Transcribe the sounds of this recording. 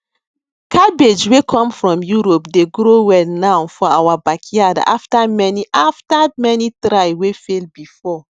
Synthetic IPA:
kʰabed͡ʒwekʰɔ̃mfɹɔ̃mjuɾopdeɡɾowɛlnãfɔawabakʰiada̰ʔaftamɛniʔaftamɛnitɾajwefelbifɔ

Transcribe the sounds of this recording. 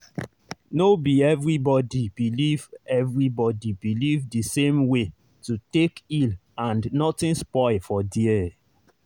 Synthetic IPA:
nobiɛvɹibɔdib̥ilivɛvɹibɔdibilivdisẽmwe | tutekil | ãnnɔtĩnspɔɪlfɔdiɛ

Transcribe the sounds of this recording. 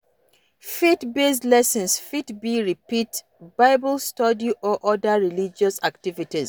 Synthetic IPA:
fetbeslɛsə̃nsfitbiɹipit | baɪbəlstɔdiʔɔʔɔdəɹilid͡ʒɔsaktivitiz

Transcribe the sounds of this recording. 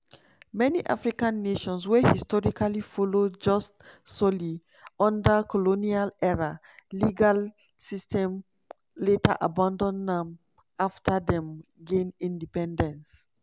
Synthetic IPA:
mɛniʔa̰fɹikãnːeʃɔ̃nswɛhistɔɹikalifɔlod͡ʒɔstsɔli | ɔ̃ndakʰɔlonialɛɹa | liɡal | sistʰɛ̃m | letʰa̰ʔabãndɔ̃nãm | aftʰadɛ̃mɡẽnĩndipɛ̃ndɛ̃ns

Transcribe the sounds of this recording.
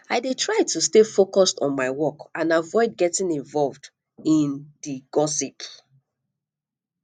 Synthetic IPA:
aɪdetʰɹaɪtustefokɔstɔ̃n̩maɪwɔkãnavɔɪd̚ɡɛtĩŋĩɱvɔlvd | ĩndiɡ̥ɔsip

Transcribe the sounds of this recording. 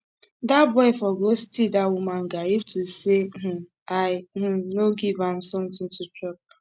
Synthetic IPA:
dabɔɪfɔɡostidawumãnɡaɾiftuseh̩ | aɪh̩noɡivãmsɔ̃mtɪ̃ŋtutɹɔp̚

